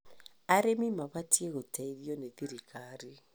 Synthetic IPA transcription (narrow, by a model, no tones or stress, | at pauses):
aɾemimaβatieɣotaiɾjɔneðiɾikaɾi